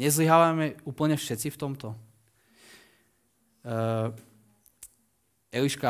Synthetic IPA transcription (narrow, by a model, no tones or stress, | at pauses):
ɛzliɦaʋamɛuːpl̩ɲɛfʃɛt͡sift̪ɔmt̪ɔ | ɛliʃka